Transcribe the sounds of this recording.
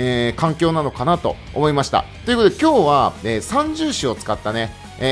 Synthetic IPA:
eːkãŋkʲo̞ːnano̞kanat̪o̞̰ | omo̞imaɕi̥t̪a̰ | t̪o̞jɨ̟kot̪od̪e̞kʲo̞ːβaeːsãɲ̟d͡ʑɨːɕio̞t͡sɨ̥kat̪ːane̞

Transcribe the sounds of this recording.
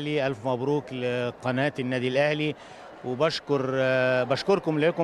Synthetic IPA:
liʔalfmæbɾuːklɪqɑnaːt̪ɪnːæːd̪ilʔahli | wɪbaʃkʊɾˤbaʃkʊɾˤkʊmlekʊ

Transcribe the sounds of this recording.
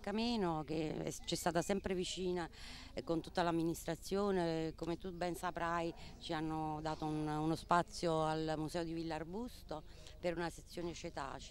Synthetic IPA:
kamiːnok̟ḛɛ̰t͡ʃɛst̪aːt̪asɛmpɾevit͡ʃiːna | kont̪u̥t̪ːalamːinist̪ɾat̪sːjoːnekomet̪ubɛnsapɾajt͡ʃianːod̪aːt̪oununospat̪sːjoalmusɛːod̪ivilːarbust̪o | peɾunaset̪sːjoːnet͡ʃet̪a̰ːt͡ʃ

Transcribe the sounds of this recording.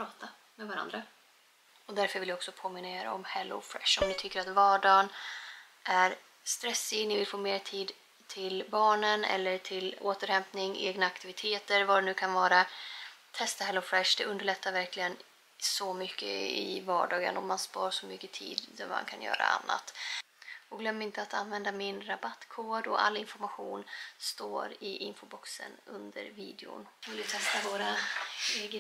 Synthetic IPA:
pʰɾɑːt̪a | mɛvaɾa̰nd̪ɾa | ɔd̪æɾfœɾvɪljɔksɔpʰoːmɪnːaeːɾɔ̰mhɛlːʊ̰fɾɛ̰ʂɔmd̪ɪt̪ʰʏkːəɾat̪vɑːɖɑːn | ʔæɾ | st̪ɾɛsːɪɡnɪvɪlfoːmeːɾʈʰiːd̪ | t̪ʰɪlbɑːɳənɛ̰lːəʈʰɪloːt̪əɾhɛmpnɪŋḛːɡnaːkt̪ɪvɪt̪ʰeːt̪əɾvad̪ɛnʉ̟ːkʰanvɑːɾat̪ʰɛst̪ahɛlːʊfɾɛʂd̪ɛʔɵnd̪əɭɛt̪ːaɾvæɾklɪɡən | sɔmʏkːə̰ɪ̰vɑːɖɑːɡə̰nɔmːanspɑːɾʂɔmʏkːət̪ʰḭːd̪d̪æɾma̰nkʰanjœ̰ːɾa̰a̰nːa̰t̪ | ɔɡlœmːəɾɪnt̪əat̪anvɛnd̪amɪnɾabat̪ːkʰoːɖɔʔa̰lːɪnfɔɾmaɧuːnst̪oːɾɪʔɪnfʊbɔksə̰nɵnd̪ə̰ɾvḭːd̪ɪʊ̰nɔld̪ɪt̪ʰɛst̪avoːɾaeːɡə

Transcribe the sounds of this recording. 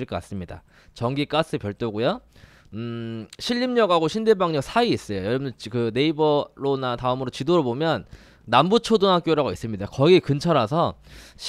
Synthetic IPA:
iɭk͈ʌkas͈ɯmɲida̰ | t͡ɕʌŋɡik͈as͈ɯpjʌɭt͈oɡujo | ɕʰiʎːimɲʌɡɦaɡoɕʰinde̞baŋɲʌk̚sʰaiːs͈ʌjojʌɾʌbɯndkɯne̞ibʌɾonataɯmɯɾot͡ɕidoɾɯɭbomjʌnː | ambut͡ɕʰodɯŋɦak͈joɾaɡois͈ɯmɲidakʌɡiekɯnt͡ɕʰʌɾasʰʌɕ

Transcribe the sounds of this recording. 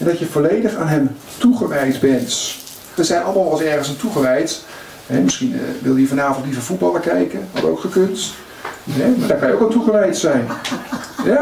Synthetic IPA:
ɛndɑtjəvolejdəχaːnɦɛm | tuχəʋɛjdbɛnt | ʋəzɛjnʔɑlˠəmaːlˠɑlˠsɛɹχənsantuχəʋɛjt | ɦɛmɪsχin̰ʋɪlˠjəjəvɑnaːvɔntlivəvut̚bɑlˠəɹkɛjkənɦɑ̰dəo̰wkχəkɵnt | ɦɛmaːdaːɹkɑnəowkanˠtuχəʋɛjtsɛjn | ja

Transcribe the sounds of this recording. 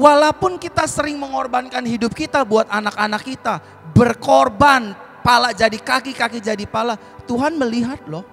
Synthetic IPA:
walapʊnkit̪asəɾɪŋməŋɔrbankanɦidʊp̚kit̪abuat̪anakanakːit̪a | bərkɔrban | palad͡ʒadikakikakid͡ʒadipala | t̪uɦanməliɦat̪̚lɔh

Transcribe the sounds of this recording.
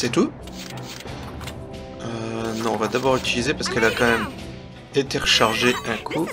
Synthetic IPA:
sɛt̪u | ønɔ̃ːvad̪abɔʁyt̪ilizepaʁsə̥kɛlakɑ̃mɛm | et̪eʁəʃaʁʒeɛ̃kʰu

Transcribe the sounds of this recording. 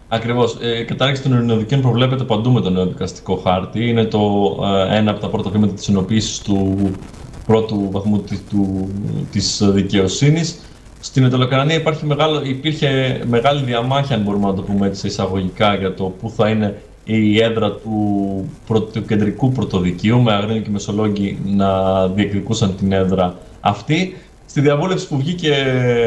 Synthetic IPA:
ɐkɾivo̞skɐt̪ɐɾçesit̪onoɾino̞ðicio̞npɾovle̞p̬e̞t̪̬e̞pɐnd̪ume̞t̪o̞ne̞oðikɐst̪i̥ko̞xɐɾt̪iine̞t̪o̞e̞nɐːpot̪ɐpɾo̞t̪ɐvimɐt̪ɐt̪i̥sino̞piːsi̥st̪u | pɾo̞t̪uvɐθmut̪t̪ut̪isðice̞o̞sinis | st̪inet̪olokɐnɐniɐipɐɾçime̞ɣɐloipiɾçe̞me̞ɣɐliðiɐmɐçiɐnbo̞ɾumenɐt̪̬o̞pumee̞t̪iseisɐɣo̞ʝikɐʝɐt̪o̞puθɐine̞ | ie̞ðɾɐt̪upɾo̞t̪uce̞nd̪ɾikupɾo̞t̪o̞ðiciume̞ɐɣɾinuce̞me̞so̞lo̞ɟinɐðie̞kðikusɐnt̪ine̞ðɾɐ | ɐft̪i | st̪iðiɐvule̞fsi̥puvʝice̞

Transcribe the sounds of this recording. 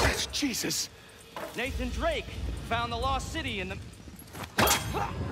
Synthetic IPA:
ðætsd̥ʒ̥iz̥ɨs | nẽɪθɨ̃ndɹeɪkfãʊ̃nðəlɔssɪɾiɨ̃nðɨ

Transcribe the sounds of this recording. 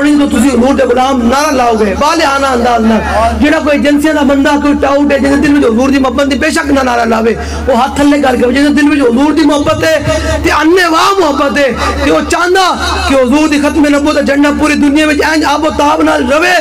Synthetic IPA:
ɽiːt̪oːt̪ʊs̬ĩːɦʊzuːɾd̪eːɡʊlaːmnaːɾaːlaːoːɡeːbaːleːɦaːnaːə̃nd̪aːznaːld͡ʒeːɽaːk̬oːid͡ʒənsijãːd̪aːmənd̪aːkoːiːʈaːʊʈeːd͡ʒɪd̪eːd̪ɪlʋɪt͡ʃɦʊzuːɾd̪iːmʊɦəbət̪̚d̪iːbeːʃəknaːnaːɾaːlaːʋeː | oːɦət̪ʰːəlːeːkəɾkeʋeːd͡ʒɪseːd̪ɪlʋɪt͡ʃɦʊzuːɾd̪iːmʊɦəbːət̪ɦeːt̪eːənːeːʋaːmʊɦəbːət̪ɦeːt̪eːoːt͡ʃãːnd̪aː | kɪɦʊzuːɾd̪iːkʰət̪mẽːnəboːt̪aːd͡ʒəɳɖaːp̬uːɾiːd̪ʊnɪjãːʋɪt͡ʃɛ̃ːd͡ʒaːpoːt̪aːbnaːlɾəʋeː

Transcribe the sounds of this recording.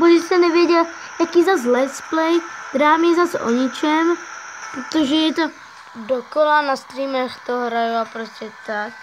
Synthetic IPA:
boɪst̪ɛnɛvjɛɟɛl | jakiːzazlɛt̪splɛjd̪ɾaːmjɛzaso̰ɲɪt͡ʃɛmpɾot̪oʒɛjɛt̪o | dokolanast̪ɾiːmɛxt̪oɦɾajuapɾoscʲɛt̪ak

